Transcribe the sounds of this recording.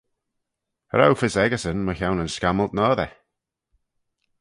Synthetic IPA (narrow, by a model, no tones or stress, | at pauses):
ə̰ɾa̰wfɪsɛɡəsənməçawnənskaməlˠtnɔːðɛ